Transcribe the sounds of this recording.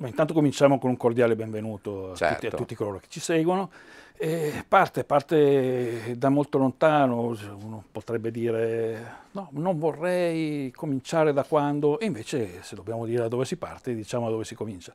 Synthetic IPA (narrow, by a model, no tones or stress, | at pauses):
maint̪ant̪okomint͡ʃamokonuŋkord̪jaːlebeɱvenuːt̪oat͡ʃ̪ɛ̰uiat̪ut̪ːikoloːɾoke̥t͡ʃːisɛɡwonoɛpart̪epart̪e | d̪amːolt̪olont̪aːnounopot̪ɾɛbːed̪iːɾenɔnoɱvorːɛjkomint͡ʃaːɾed̪akwand̪oeiɱveːt͡ʃesed̪obːjaːmod̪iːɾed̪ad̪ɔːvesipa̰rt̪ed̪it͡ʃaːmodad̪oːvesikomint͡ʃḁ